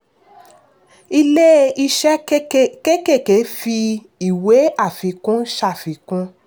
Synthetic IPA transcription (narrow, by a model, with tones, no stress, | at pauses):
i˧le˦i˧ʃɛ˦ke˦ke˦˨ke˨˦fi˧ | i˨we˨˦a˦˨fi˨˧˦kũ˦ʃa˦˨fi˨˦kũ˦